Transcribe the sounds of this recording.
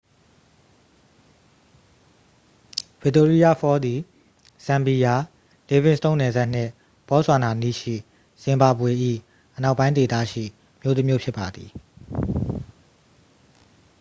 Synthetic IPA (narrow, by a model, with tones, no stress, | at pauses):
v̥ɪ˦ʔto˦ɹi˦ja˦˨fɔ˦d̪i˨ | sã˨mbi˨ja˨ | le˦vɪ̃˦˨sət̪õ˦ʊ̃nɛ˨za˦ʔn̥ɪ̰̃˦˨ | pɔ˨˦zwa˨na˨nḭ˦˨ʃḭ˦˨ | sɪ̃˨mba˨bwe˨ʔḭ˦˨ | ʔəna˦ʊʔpːã˦ɪ̃nt̪e˨t̪a̰˦˨ʃḭ˦˨ | mjo˦t̪ə˦mjo̰˦˨pʰjɪ˦pːa˨d̪i˨